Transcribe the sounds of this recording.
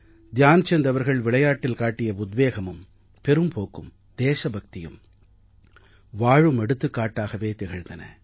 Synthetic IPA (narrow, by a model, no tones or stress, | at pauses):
d̪jaːnt͡ʃɛnd̪ɐʋɐɾɣɐɭʋɪɭɐjaːʈːɪlkaːʈːɪjɐʊd̪ʋeːɣɐmɯm | pɛɾɯmpoːkːɯm | d̪̥eːʂɐbʱɐk̚t̪ɪjɯ̰m | ʋaːɻɯmɛɽɯt̪ːɯkːaːʈːaːɣɐʋeːt̪ɛɣɐɻnd̪ɐnɐ̰